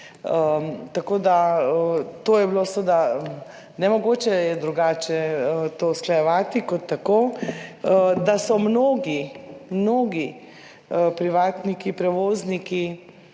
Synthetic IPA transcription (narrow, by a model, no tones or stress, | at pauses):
ət̪akoːd̪aət̪oːjɛbilosəd̪a | nɛmɔɡoːt͡ʃɛjɛd̪ɾuɡaːt͡ʃɛət̪oːsklajɛʋaːt̪ikɔt̪ːakoː | d̪asɔmnoːɡimnoːɡi | əpɾiʋaːt̪nikipɾɛʋoːzniki